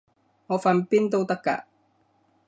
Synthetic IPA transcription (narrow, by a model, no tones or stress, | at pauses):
ofampint̪owt̪aka̰